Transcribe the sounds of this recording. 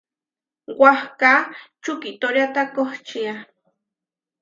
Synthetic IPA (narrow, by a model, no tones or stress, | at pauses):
wahka | t͡ʃʊkit̪oɾjat̪akoht͡ʃia